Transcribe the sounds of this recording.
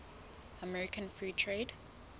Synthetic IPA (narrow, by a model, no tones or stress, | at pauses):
əmɛɹɪkʰə̃nfɹiːtʰɹeːd